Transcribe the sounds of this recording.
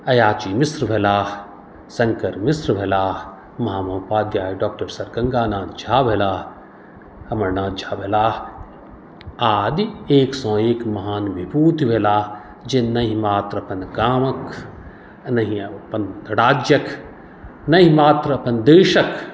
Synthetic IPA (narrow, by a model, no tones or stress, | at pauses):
ɐjaːt͡ʃiːmisɾbʱelaː | sɐ̃ŋkɐɾmisɾʋʱelaː | mɐɦaːmɐɦupaːd̪jaːiɖaːk̚ʈɐɾsɐɾkɐŋɡaːnãːd̪d͡ʒʱaːbʱelaː | ɐmɐɾnaːd̪̚d͡ʒʱaːbʱelaː | aːd̪ieːksɐ̃ːeːkmɐɦaːnbʱibuːt̪iʋʱelaː | d͡ʒennɐɦĩmaːt̪ɾɐpɐnkaːmɐk | nɐɦĩɐpɐnɽaːd͡ʒjɐk | nɐɦĩmaːt̪ɾɐpɐnd̪eːʃɐk